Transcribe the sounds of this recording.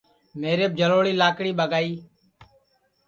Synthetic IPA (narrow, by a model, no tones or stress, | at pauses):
meːɾeːb̚d͡ʒʱəloːɽiːlaːkɽiːɓəɡaːiː